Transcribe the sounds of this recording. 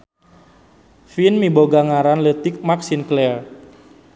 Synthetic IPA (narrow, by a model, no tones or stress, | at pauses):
finmiboɡaŋaɾanlət̪ɪk̚maksinklɛr